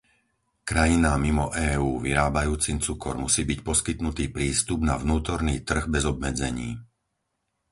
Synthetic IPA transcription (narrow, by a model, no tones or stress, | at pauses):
kɾajinamimɔʔɛːuːʋiɾaːbajuːt͡simt͡sukɔ̰ɾmusiːbicpɔskit̪nut̪iːpɾiːst̪ubna̰vnuːt̪ɔɾniːt̪r̩ɣbɛzɔb̚mɛd͡zɛɲiː